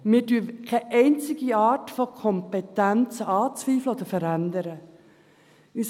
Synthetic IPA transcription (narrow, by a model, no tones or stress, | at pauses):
mɪːdyːkʰɛʔɛɪnt͡sɪɡ̥iɑːtfɔkʰɔmpɛtænt͡səɑːt͡sʋiːfləoːd̥̪əɾfəɾænd̪əɾə | ys